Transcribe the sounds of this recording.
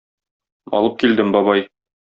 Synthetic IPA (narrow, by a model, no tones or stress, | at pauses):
ɒ̰lˠɤp̚kild̪ɘmbɒβɑj